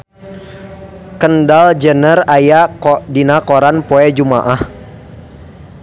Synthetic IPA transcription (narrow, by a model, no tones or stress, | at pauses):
kəndald͡ʒənərajakdinakoɾanpoɛd͡ʒuma̰ʔah